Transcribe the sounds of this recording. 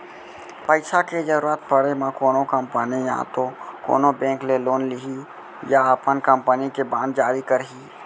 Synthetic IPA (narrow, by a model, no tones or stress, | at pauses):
pəɪsaked͡ʒəɾuɾət̪pəɽemãkoːnokəmpənijã̰t̪oko̰ːnobẽːŋkleloːnliɦi | jaəpənkəmpənikebãːnd̪d͡ʒaːɾikəɾɦi